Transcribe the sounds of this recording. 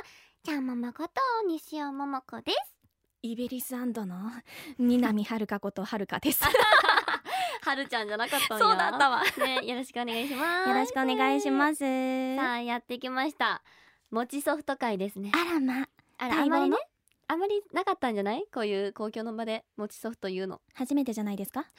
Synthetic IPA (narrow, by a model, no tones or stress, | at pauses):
t͡ɕãmmːomakot̪oɲ̟iɕiomomokod̪̥esɨ̥ | ibeɾʲisɨãnd̪o̞nomʲinamʲihaɾɯ̟kako̞t̪ohaɾɯ̟kad̪e̞sɨ | haɾɯ̟t͡ɕãɲ̟d͡ʑanakat̪ːãsoːd̪aːaβane̞jo̞ɾo̞ɕi̥kɯo̞ne̞ɡaiɕimajoɾoɕi̥kɯoneɡaiɕimasɨsajat̪ːe̞ikʲimaɕi̥t̪a | mo̞t͡ɕiso̞ɸɯ̥t̪o̞kaid̪e̞sɨne̞aɾama | aɾaaamːaɾine | ãmːaɾʲinakat̪ːãɲ̟d͡ʑanaiko̞ːjɯ̟ːko̞ːkʲo̞ːno̞bad̪e̞mo̞t͡ɕi̥so̞ɸɯ̥t̪o̞jɯ̟ːno̞̰haʑime̞t̪e̞ʑanaid̪e̞sɨ̥ka